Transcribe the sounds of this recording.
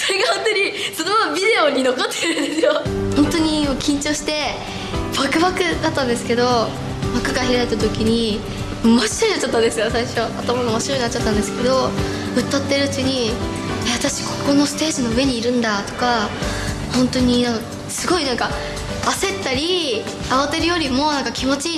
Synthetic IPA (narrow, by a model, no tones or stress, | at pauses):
so̞ɾe̞ɡahõ̞nt̪oɲ̟isonoabʲid̪e̞oɲ̟ːino̞ko̞t̪ːeɾɯ̟nd̪esɨjohõ̞nt̪o̞ɲ̟imokʲĩɲ̟t͡ɕo̞ːɕi̥t̪e̞ | b̥akɯ̟bakɯ̟d̪at̪ːãnd̪e̞sɨ̥ke̞d̪o̞ | bakːɯ̟ɡaçiɾait̪ːat̪o̞kʲiɲ̟i | maɕi̥tɲinat͡ɕːat̪ːãnd̪esɨjo̞saiɕo̞at̪amaɡaomo̞ɕiɾo̞ɲinat͡ɕːat̪ːãnd̪e̞sɨ̥ke̞d̪o̞ | ɯ̟t̪ːat̪ːeɾɯ̟t͡ɕiɲ̟i | eβat̪aɕi̥ko̞ko̞no̞sɨ̥t̪e̞ːsino̞ɯ̟e̞ɲ̟iːɾɯ̟̃nd̪at̪o̞̥ka | hõ̞nt̪o̞ɲ̟inãŋk | sɨɡo̞inãŋkaː | se̞t̪ːaɾʲi | aβat̪eɾɯ̟jo̞ɾʲimo̞nãŋkakʲimo̞t͡ɕi